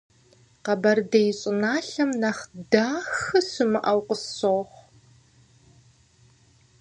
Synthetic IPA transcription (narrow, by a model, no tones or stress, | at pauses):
qɐbɐrdejɪɕʼɪnaːɬɐmnɐχdaːxɨsɨmɨʔɐwqʷʼʊsoːχʷ